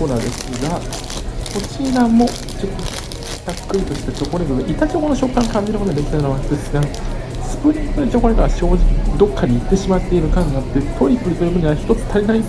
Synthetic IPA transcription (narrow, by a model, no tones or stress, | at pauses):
oːnad̪e̞sɨɡa | ot͡ɕiɾamːo̞ | t͡ɕo̞t̪ːo | d̪̥akːɯ̟ɾʲit̪o̞ɕi̥t̪at͡ɕo̞koneɡɯɡaʔit̪at͡ɕoːkonoɕo̞kːãŋkãɲ̟d͡ʑiɾɯkooɡad̪ekʲit̪anaβasd̪esɨɡa | sɨ̥pɯ̟ɾʲĩŋkɯnt͡ɕokonʲeɡaɡaɕo̞ːid̪o̞kːaɲ̟ʲiːkɯ̟ɕimat̪ːe̞iɾɯ̟kãŋɡaat̪ːe̞t̪ʰo̞ipɯ̟ɾʲit̪ɯɾɯbɯ̟ɲʲiaçi̥t̪o̞t͡sɨ̥t̪ʰaɾʲinaĩn